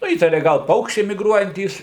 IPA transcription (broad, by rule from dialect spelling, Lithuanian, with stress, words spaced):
ˈnʊ ˈiːtɐrʲɛ ˈɡɐlˠ ˈpɐʊkʃʲt͡ʃʲɛɪ mʲɪɡˈruɔjɛnʲtʲiːs